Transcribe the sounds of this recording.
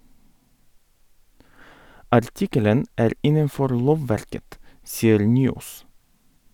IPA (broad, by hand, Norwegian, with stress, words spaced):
ɑɾˈtɪkələn ˈæːɾ ˈɪnənˌfɔɾ ˈloːʋˌʋæɾkət ˈsiːəɾ ˈnyːˌoːs